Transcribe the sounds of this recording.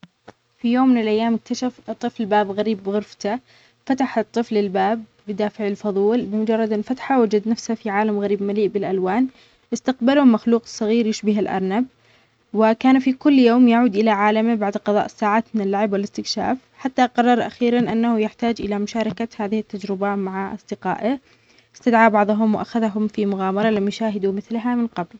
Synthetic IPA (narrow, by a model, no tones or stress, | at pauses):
fijoːmːɪnɪlʔajːaːmɪk̚t̪aʃaft̪ˤːɨflbaːbɣaɾiːbːɪɣʊɾft̪a | fat̪aħɪt̪ˤːɨflɪlbaːbːɪd̪aːfɪʕɪlfɑðˤuːlbɪmʊd͡ʒɑrˤːɑd̪ɪfat̪ħawad͡ʒad̪nafshafiʕaːlamɣaɾiːbmaliːʔbɪlʔalwaːn | ʔɪst̪aqbalʊmaxluːqsˤːɑɣiːɾjɪʃbɪɦalʔɑ̰ɾˤnab | wɪkaːnfikʊlːjoːmjaʕuːd̪ʔɪlaʕaːlambaʕd̪qɑðˤɑ̰ːʔɪsːaːʕaːt̪mɪnɪlːaʕɪbwɪlɪst̪ɪkʃa̰ːf | ħat̪ːaqɑrˤːɑɾˤʔaxiːɾanʔanːahʊjɪħt̪aːd͡ʒʔɪ̰lamʊʃaːɾˤɑkahaːðɪhɪt̪ːad͡ʒɾɪbamaʕaʔɑ̰sˤd̪̥ɪqa̰ːʔɪ | ɪst̪ad̪ʕaːbɑʕðˤʊɦʊmwʔaxaðɦʊmfimʊɣaːmɑɾˤɑlamːjʃaːɦɪd̪umɪθlɦamɪnqɑbl